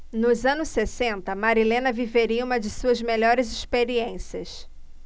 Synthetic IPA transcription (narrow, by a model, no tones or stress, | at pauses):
nʊzɐ̃nʊsːesẽnt̪ɐmaɾilẽnɐviveɾiũmɐd͡ʒɪsuɐzmeʎɔɾɪzɪspeɾiẽsiɐs